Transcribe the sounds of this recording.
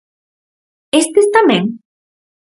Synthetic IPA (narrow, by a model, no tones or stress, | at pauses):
est̪est̪amẽŋ